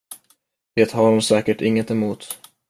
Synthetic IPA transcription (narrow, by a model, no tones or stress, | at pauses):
veːt̪haɾhʊmsɛːkəʈɪŋːət̪ɛmuːt̪